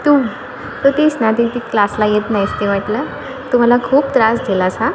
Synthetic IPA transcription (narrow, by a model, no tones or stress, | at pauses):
t̪u | t̪ot̪esnad̪it̪iklaslajet̪najst̪eʋaʈlə | t̪um̤alakʰuːpt̪ɾasɡʱelaːsa